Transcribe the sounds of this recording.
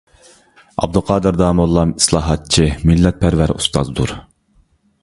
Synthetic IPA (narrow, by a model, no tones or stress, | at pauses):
ɑ̰b̚d̪uqʰɑːd̪ɨɾd̪ɑːmolˠːɑmi̥slˠɑːɦɑt̪̚t͡ʃʰimilːɛt̪̚pʰæɾvæɾṵst̪ɑ̰zd̪ṵɾ